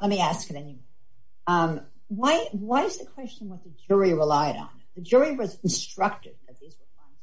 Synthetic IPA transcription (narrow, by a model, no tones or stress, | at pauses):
lɛt̚miæskɨɾɛnimɔɹ | ʌ̃m | waɪwaɪɨzðɨkʰw̥ɛst͡ʃɨ̃n̩wʌt̪̚ðɨd͡ʒʊɹiɹəlaɪɾn̩ðɨd͡ʒʊɹiwʌz̃n̩stɹ̥ʌk̚tɨd̥̚kʰʌzðizwə˞fãn